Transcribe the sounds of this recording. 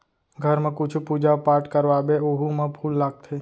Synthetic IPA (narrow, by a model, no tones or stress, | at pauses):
ɡʱəɾmẽkʊt͡ʃʰpud͡ʒapaːɾʈkəɾʋaːbeoɦumə̃pʰuːlːaːɡ̚t̪ʰeː